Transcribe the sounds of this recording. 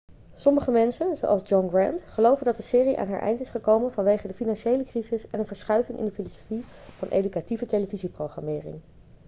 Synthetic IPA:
sɔməχəmɛnsənzo̰wʔɑlˠzd͡ʒɔnɡrɛntχəlowvəndɑt̚dəsɪːriʔa̰ːnɦa̰ːɹʔɛ̰jntɪsχəkowmənvɑnʋejχədəfinɑnʃejləkrizɪsɛnənvəɹsχœɥvɪŋʔɪ̰ndəfilɔsofiv̥ɑnʔḛjdykativətejləviziprowχrɑmɪːrɪ̰ŋ

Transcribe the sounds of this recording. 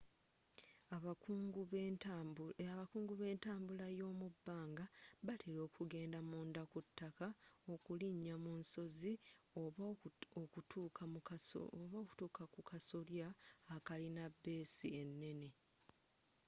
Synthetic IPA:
ɡ | aβakuːŋɡuβe̞ːntaːmbulajo̞ːmubːaːŋɡaβatʰelo̞ːkuɡe̞ːndamuːndakutːakao̞kuliɲːamunso̞zio | otua̰oβaoku̥tuːkakukasoljaːkalinabːe̞ːsie̞nːe̞ne̞

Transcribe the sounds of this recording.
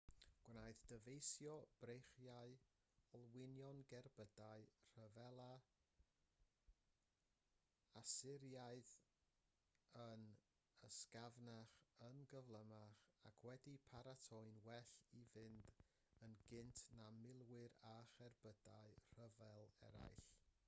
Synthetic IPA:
ɡ̥wnaɨðd̥əvejsjɔb̥rejχjaɨ | ɔlˠwɪnjɔnɡɛrbədaɨr̥əvɛlˠa | asɪɾjaɨð | ən | əskavnaχənɡəvlˠəmaχakʰwɛdipʰaɾatʰɔɨnwɛɬivɪnd | ənɡɪntʰnamɪlˠwɪɾaχɛrbədaɨr̥əvɛlˠɛ̰ɾa̰jɬ

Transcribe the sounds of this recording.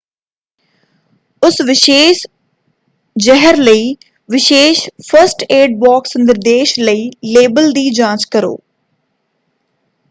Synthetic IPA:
ʊsʋɪʃeːʃ | d͡ʒɛɦəɾləiː | ʋɪʃeːʃpʰəɾsʈeːɖ̚baːksənd̪əɾd̪eːʃləiːleːbəld̪iːd͡ʒãːt͡ʃkəɾo̰ː

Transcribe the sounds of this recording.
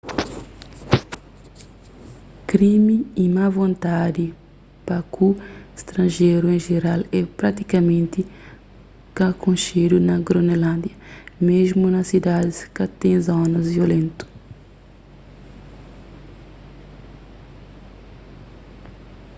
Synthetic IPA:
kɾimiimavõnt̪ad̪i | pɐkuest̪ɾɐ̃nʒeɾuẽʒeɾalɛpɾat̪ikɐmẽnt̪i | kɐkõnʃeɾunɐɡɾonelãnd̪jɐmeʒmunɐsid̪ad̪iskɐt̪ẽj̃zonɐzviolẽnt̪u̥

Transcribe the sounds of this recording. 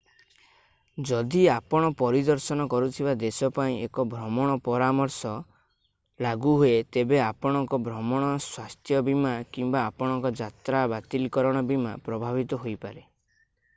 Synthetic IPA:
d͡ʒɔd̪iapɔɽ̃ɔpɔɾid̪ɔɾsɔnɔkɔɾut̪ʰibad̪esɔpaĩekɔbʱɾɔmɔɽ̃ɔpɔɾamɔɾsɔ | laɡuɦuet̪ebeapɔɽ̃ɔŋkɔbʱɾɔmɔɽ̃ɔswast̪ʰjɔbimakimbaːpɔɽ̃ɔŋkɔd͡ʒat̪ɾabat̪ilkɔɾɔɽ̃ɔbima̰pɾɔbʱabit̪ɔɦojpaɾe

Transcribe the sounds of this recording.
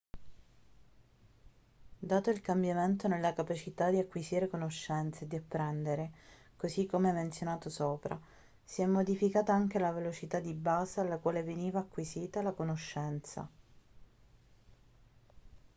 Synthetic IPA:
d̪aːt̪oilkambjament̪onelːakapat͡ʃit̪ad̪iakːwiziːɾekonoʃːɛnt̪sed̪iapːɾɛnd̪eɾe | kozikːomeɛmːent̪sjonaːt̪osoːpɾa̰ | siɛmːod̪ifikaːt̪aaŋk̟elavelot͡ʃit̪ad̪ibaːzealːakwaːleveniːvaːkːwiziːt̪alakonoʃːɛnt̪sa̰

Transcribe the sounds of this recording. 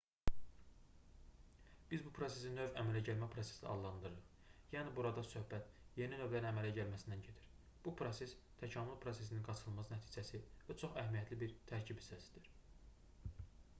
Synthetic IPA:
b̥izbupʰɾo̞se̞sinø̞væmælæɟælmæpʰɾo̞se̞̥sḭɑ̰dllːˠɑnd̪ɯɾɯɾɯχ | jæːnibuɾɑd̪ɑsø̞hbæt̪ | je̞ninø̞vlæɾinæmælæɟælmæsind̪ænɟe̞t̪ʰiɾ | b̥upʰɾo̞se̞st̪ʰæcʰɑːmulˠpʰɾo̞se̞sininɡɑt͡ʃʰɯlˠmɑsnæt̪ʰiːd͡ʒæsivæt͡ʃʰo̞χæhmijæt̪ʰlibiɾt̪ʰæɾcʰibi̥st̪æsi̥d̪iɾ̥

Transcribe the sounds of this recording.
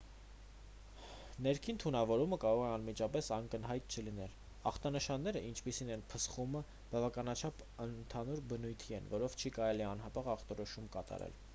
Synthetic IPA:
nɛɾkʰint̪ʰunɑvɔɾuməkɑɾɔʁɛɑnmit͡ʃɑpɛsɑŋkənɦɑjt̪̚t͡ʃʰəlinɛl | ɑ̰χt̪ɑnəʃɑnːɛɾəint͡ʃʰpisinɛnpʰəsχumə | b̥ɑvɑkɑnɑt͡ʃʰɑp | ənt̪ʰɑnuɾbənujt̪ʰiɛnvɔɾɔvt͡ʃʰikɑɾɛliɑnɦɑpɑʁɑχt̪ɔɾɔʃumkɑt̪ɑ̰ɾɛ̰l

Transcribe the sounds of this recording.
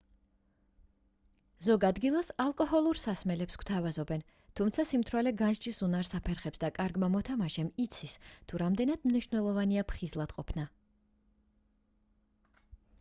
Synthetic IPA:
zɔɡad̪ɡilˠasalˠkʼɔhɔlˠuɾsasmɛlɛpskw̥t̪ʰavazɔbɛn | t̪ʰumt̪sʰasimt̪ʰɾwalɛɡanʒt͡ʃʼisunaɾsapʰɛɾχɛpsd̪akʼaɾɡmamɔt̪ʰamaʃɛmit̪sʰist̪ʰuɾamd̪ɛnad̪̥mniʃvnɛlˠɔvaniapʰχizlˠad̪̥qʼɔpʰna

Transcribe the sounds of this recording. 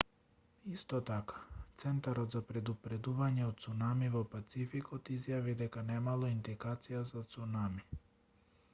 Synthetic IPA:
ist̪ɔt̪akḁt̪sɛnt̪aɾɔt̪zapɾɛd̪upɾɛd̪uvaɲɛɔt̪̚t̪sunamivɔpat̪sifikɔt̪izjavid̪ɛkanɛmalˠɔind̪ɛkat̪sijazat̪sunami

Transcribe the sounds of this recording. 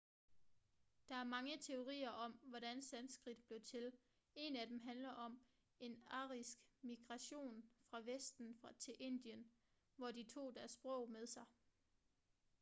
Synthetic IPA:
d̥ɑ̈æɐmɑ̈ŋət͡sʰe̝o̝ʁḭːɐʔɒ̽mʋɒɾænsænsɡ̥ʁid̥̚b̥le̝ʊt͡sʰe̝l | e̝næd̥emɦænlɐʔɒ̽m | e̝nɑ̰̈ʁisɡ̥miɡ̥ʁɑ̈ɕo̝̰ːnfʁɑ̈ʋesd̥n̩fʁɑt͡sʰe̝ʔe̝n̰d̥iən | ʋɒd̥it͡sʰo̝̰ːd̥æɐsb̥ʁɔ̰̽ʊmeðˠsɑ̈ɪ

